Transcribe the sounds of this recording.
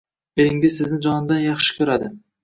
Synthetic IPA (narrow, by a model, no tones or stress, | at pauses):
elɪŋʲɪzsɪznɪd͡ʒɒnɪd̪anjɑχʃɪ̥kʲʰɵɾad̪ɪ